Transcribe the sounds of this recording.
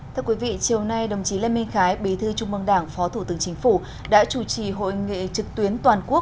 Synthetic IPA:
t̪ʰɨ˧ə˧kwi˨˦vḭ˧˨t͡ɕi˨˩əwna˧jɗə˨˩wŋ͡mt͡ɕi˨˦le˧mi˧ŋ̟xaː˨˦jɓe˨˦t̪ʰɨ˧t͡ɕʊ˧ŋ͡mʔɨ˧ŋɗaː˧˩ŋfɔ˨˦t̪ʰu˧˩t̪ɨ˨˦əŋt͡ɕï˨˦ŋ̟fu˧˩ | ɗa̰ː˧˥t͡ɕu˧˩t͡ɕi˧˩ɦo̰˧˨jŋḭ˧˨t͡ɕɨ˨˩k̚t̪wi˨˦ənt̪waː˨˩nku˦˥ək̚

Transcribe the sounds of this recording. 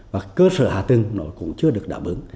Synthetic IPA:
vaː˨˩kəː˧sə̰ː˧˨haː˨˩t̪ɨ˨˧˩ŋnɔ˨˦jkʊ̰˧˥ŋ͡mt͡ɕɨ˧əɗɨ˨˩ək̚ɗa̰ː˧˩wɓɨ̰˨˦əŋ

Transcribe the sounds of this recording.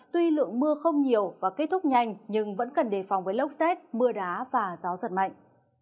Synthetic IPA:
t̪wi˧lɨ̰˧˨əŋmɨ˧əxə˧wŋ͡mɲi˨˩əwvaː˨˩ke˦˥t̚t̪ʰʊ˦˥k͡p̚ɲa˧˩jŋ̟ɲɨ˧ŋvə̰˧˥nkə˨˩nɗe˧˩fa˨˩wŋ͡mvəː˨˦jlə˦˥wk͡p̚sɛ˦˥t̚mɨ˧əɗaː˨˦vaː˨˩zaː˨˦zə̰˨˧˩n̚ma̰˧˨jŋ̟

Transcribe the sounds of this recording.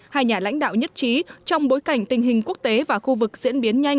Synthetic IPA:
haː˧jɲaː˨˩la̰˧˥jŋ̟ɗa̰ː˧˨wɲə˦˥t̚t͡ɕi˨˦t͡ɕɔ˧wŋ͡mɓo˨˦jka˧˩jŋ̟t̪ï˨˩ŋ̟ɦï˨˩ŋ̟ku˦˥ək̚t̪e˨˦vaː˨˩xu˧vɨ˨˩k̚zḭ˧˥ənɓi˨˦ənɲa˧jŋ̟

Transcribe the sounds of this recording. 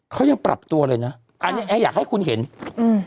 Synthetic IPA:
kʰa˦˥wja˧ŋpɾa̰˨˩p̚t̪u˧ɐlɤː˧jna˦˥ | ʔʔa˧nni˦˥ʔɛː˧jaː˨˩k̚ha˥˩jkʰu˧nɦe˩˦nʔɯ˧˩

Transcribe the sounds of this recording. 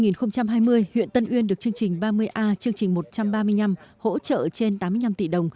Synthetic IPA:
ŋi˨˩nxə˧wŋ͡mt͡ɕa˧mɦaː˧jmɨ˧əjhwḭ˧˨ənt̪ə˧nʔwi˧ənɗɨ˨˩ək̚t͡ɕɨ˧əŋt͡ɕï˨˩ŋ̟ɓaː˧mɨ˧əjʔaː˧t͡ɕɨ˧əŋt͡ɕï˨˩ŋ̟mo˨˩t̚t͡ɕa˧mɓaː˧mɨ˧əjɲna˧mho̰˧˥t͡ɕə̰ː˧˨t͡ɕe˧nt̪aː˨˦mɨ˧əjna˧mt̪ḭ˧˩ɗə˨˩wŋ͡m

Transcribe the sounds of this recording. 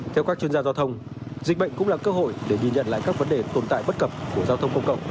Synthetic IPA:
t̪ʰɛ˧wkaː˦˥t͡ɕi˧ənzaː˧zaː˧wt̪ʰə˧wŋ͡m | zï˨˩k̟̚ɓə̰˧˨jŋ̟kʊ̰˧˥ŋ͡mlaː˨˩kəː˧ho̰˧˨jɗe˧˩ŋi˨˩nɲə̰˧˨nla̰ː˧˨jkaː˦˥k̚və˨˦nɗe˨˩t̪o˨˩nt̪a̰ː˧˨jɓə˦˥t̚kə˨˩p̚ku˧˩əzaː˧t̪ʰə˧wŋ͡mkə˧wŋ͡mkə̰˧˨wŋ͡mʔ

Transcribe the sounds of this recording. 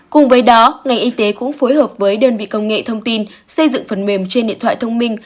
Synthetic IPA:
kʊ˨˩ŋ͡mvəː˨˦jɗɔ˨˦ŋa˨˩jŋ̟ʔi˧t̪e˨˦kʊ̰˧˥ŋ͡mfo˨˦jhəː˨˩p̚vəː˨˦jɗəː˧nvḭ˧˨kə˧wŋ͡mŋḛ˧˨t̪ʰə˧wŋ͡mt̪i˧n | sə˧jzɨ̰˧˨ŋfə˨˦˩nme˧˩mt͡ɕe˧nɗḭ˧˨ənt̪ʰw̰a̰ː˧˨t̪ʰə˧wŋ͡mmï˧ŋ̟

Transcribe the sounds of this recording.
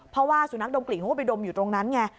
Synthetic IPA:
pʰɾɔ˦˥waː˥˩suː˨˩˦na˦˥k̚do˧kli˨˩ŋɦo˦˥˩pa˧jdo˧mjuː˨˩t̪ɾo˧ŋna˦˥nŋɛ˧˥

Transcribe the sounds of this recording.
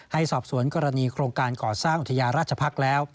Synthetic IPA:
ha˥˩jsɔː˨˩p̚su˨˩˦ənkɔː˧ɾa˧niː˧kʰɾoː˧ŋkaː˧nkɔː˨˩saː˥˩ŋʔu˨t̪ʰːa˧jaː˧nɾaː˥˩t̪̚t͡ɕʰa˧pʰa˦˥k̚lɛː˦˥w

